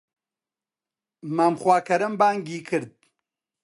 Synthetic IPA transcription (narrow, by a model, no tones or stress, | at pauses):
mamxwaːkɐɾɨmbaːŋɡiːkʰɨɾd̪̚